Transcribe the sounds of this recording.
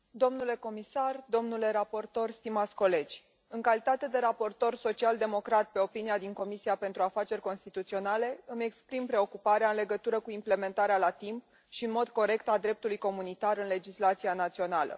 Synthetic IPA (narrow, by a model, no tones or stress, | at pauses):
d̪o̞mnule̞ko̞misard̪o̞mnule̞ɾapo̞rt̪o̞rst̪imat̪sʲko̞le̞d͡ʒʲ | ɨŋkalit̪at̪e̞d̪e̞ɾapo̞rt̪o̞rso̞t͡ʃiald̪e̞mo̞kɾat̪̚pe̞o̞piniad̪iŋko̞misiapent̪ɾuafat͡ʃe̞rʲko̞nst̪it̪ut̪sio̞nale̞ɨme̞kspɾimpɾe̞o̞kupaɾeaɨnle̞ɡət̪uɾəkuimple̞me̞nt̪aɾealat̪imp | ʃiɨnmo̞d̪ko̞ɾe̞kt̪ad̪ɾe̞p̚t̪ulujko̞munit̪aɾɨnle̞d͡ʒislat̪sianat̪sio̞nalə̰